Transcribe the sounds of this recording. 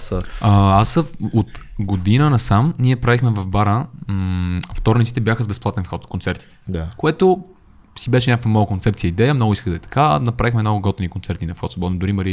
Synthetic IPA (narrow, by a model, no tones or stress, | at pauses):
əasot̪ɡod̪inənɐsamniɛpɾavixmɛvɐvbaɾə | ft̪ɔɾnit̪si̥t̪ɛbjaxəzbɛsplˠat̪ɛnfxɔt̪kont̪sɛɾt̪i̥t̪ɛ̥d̪akoɛt̪o | sibɛʃɛnʲɲakəkvɐmalˠəkont̪sɛpt̪sijəid̪ɛjəmnoɡʊiskəɣd̪ɛt̪ɐ̥kanɐpɾavixmɛnoɡoɡɔt̪nikont̪sɛɾt̪inɐfxɔt̪sbɔd̪nəd̪ʊɾiməɾiə